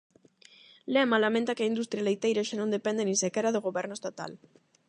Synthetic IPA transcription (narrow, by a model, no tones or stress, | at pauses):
lemalamẽnt̪akeaind̪ust̪ɾjalejt̪ejɾaʃanõnd̪epend̪enĩsekeɾaðoɣoβeɾnoest̪at̪a̰l